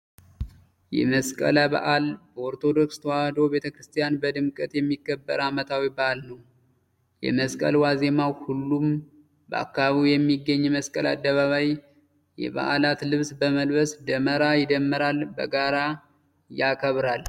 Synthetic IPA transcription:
jɛ̰məskʼə̰laba̰ʔalbəoɾt̪ʰo̞d̪o̞kst̪ʰəwahd̪o̞wbe̞t̪ʰəkɾɨst̪ʰijanbəd̪ɨmkʼət̪jɛmːikːəbːəɾamət̪ʰawibaʔalnəw | jɛ̰məskʼə̰lwaze̞mawhulːum | bəa̰kːaβaβiwjɛmːiɡːəɲːɛməskʼəla̰d̪ːəβaβaj | jɛ̰βa̰ʔalat̪lɨβsbəməlβəsd̪əməɾajɪd̪əmːɨɾalbəɡaɾa | jakʼəβɾal

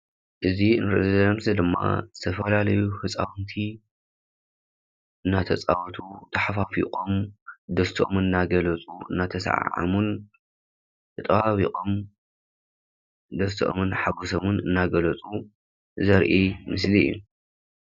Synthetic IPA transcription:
ʔɨziɨnɾɨʔzzɐɐmsɐd̪ɨmːa̰zɨt̪ʰɐfɐlalɐjuhɨt͡sʼawnt̪ʰi | ʔɨnːat̪ʰɐt͡sʼa̰wt̪ʰut̪ʰɐħafafḭqʼomd̪ɐst̪ʰiʔomɨnnːaɡɐlɐt͡sʼuɨ̰nːat̪ʰɐsʕa̰ʕa̰mun | tɨt̪ʼwaβiqʼom | d̪ɐst̪ʔo̰mɨnħaɡusomunɨnːaɡɐlɐt͡sʼu | zɐɾʔimɨslḭːu

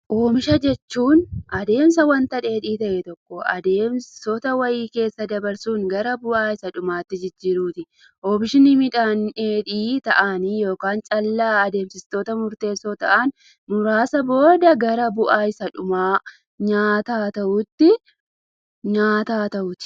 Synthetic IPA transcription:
ʔoːbɪʃɐd͡ʒɛt͡ʃːuːnʔɐd̪e̞ːmsɐwɐnt̪ɐᶑe̞ːᶑiːt̪ɐʔɛt̪ɔkːɔɐ̰d̪e̞ːmsot̪ɐwɐjiːke̞ːsːɐd̪ɐbɐɾsuːŋɡɐɾɐbʊʔaːɪsɐᶑʊmaːt̪ːɪd͡ʒɪd͡ʒːɪɾuːt̪ɪ | ʔoːbɪʃɪnɪmɪᶑaːneːᶑiːt̪ɐʔaːnijo̞ːkaːnt͡ʃʼɐlːaːɐd̪e̞ːmsɪst̪o̞ːt̪ɐmʊɾt̪e̞ːsːoːt̪ɐʔan | mʊɾaːsɐbo̞ːd̪ɐɡɐɾɐbʊʔaːɪsɐᶑʊmaː | ɲaːt̪aːt̪ɐʔʊt̪ːɪ | ɲaːt̪aːt̪ɐʔʊt̪ɪ̥

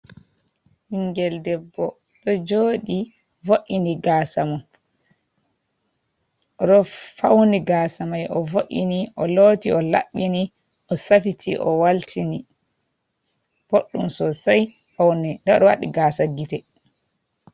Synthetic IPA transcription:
hiŋɡɛldɛbːɔ | ɗɔd͡ʒoːɗi | voʔːiniɡaːsama | ɗɔfawniɡaːsamajʔɔvoʔiniʔɔloːtiɔla̰ɓːini | ʔɔsafitʰiʔɔ̰waltʰini | b̥oɗːumsɔsaj | fawnɛndaɗɔwa̰ɗḭɡasaɡitɛ

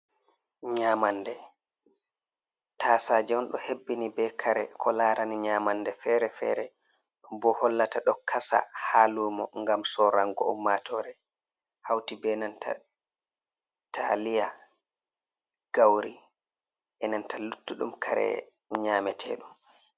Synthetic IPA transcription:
ɲaːmandɛ | tʰaːsad͡ʒɛwnɗɔhebːinibɛkʰaɾɛkʰɔlaːɾaniɲamandɛfɛɾɛfɛ̰ːɾɛ | ɗɔmbɔhɔlːataɗɔkasa̰halumɔŋɡamsɔɾaŋɡɔumːatʰɔɾɛ | hawtibɛnantʰa̰ | tʰalija | ɡ̥awɾi | ʔɛnantalutːuɗṵmkʰaɾɛ̰ɲaːmɛtʰɛ̰ːɗum

